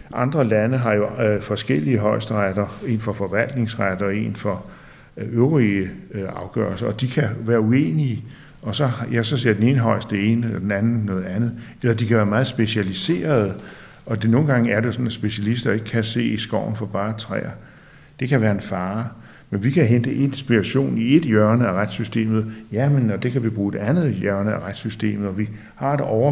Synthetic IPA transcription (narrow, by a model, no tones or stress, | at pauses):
ʔɑ̈nd̥ʁɐlænəɦɑ̈jo̝fɒ̽sɡ̥el̰iəɦɒ̽ɪsd̥ʁad̥ɐe̝nfɒ̽fɒ̽ʋæl̰d̥ne̝ŋsʁad̥ɐe̝̰nfɒ | øʊʁiəɑ̈ʊɡ̥œɐlsɐɒ̽d̥ikʰæʋæːɐue̝̰ːniə | ɒ̽sɒ̽jæsɒ̽se̝ɐ̰d̥ene̝ːnəɦɒ̽ɪ̰sd̥ee̝ːnəelɐd̥enænn̩nɔ̽ːð̞̩ˠænð̞̩ˠelɐd̥ikʰæʋæːɐmɑ̈ːð̩ˠsb̥e̝ɕælise̝̰ːɐð̞̩ˠ | ɒ̽d̥e̝no̝ːn̩ɡ̥ɑ̈ŋæɐde̝sɒ̽næsb̥e̝ɕælisd̥ɐe̝ɡ̥əkʰæse̝̰ːisɡ̥ɒʊ̰n̩fɒ̽b̥ɑ̈ːt͡sʰʁɛ̰ːɐ | d̥e̝kʰæʋæːɐe̝nfɑ̈ː | menʋikʰæɦend̥əʔe̝d̥nsb̥iʁɑɕo̝̰ːnie̝d̥jœɐnəæʁad̥sysd̥e̝̰ːmð̞̩ˠjæmenɒd̥e̝kʰæʋib̥ʁuːed̥ænð̞̩ˠjœɐnəæʁad̥sysd̥e̝̰ːmð̩ˠɒ̽ʋi | hɑ̈e̝dɒʊɐ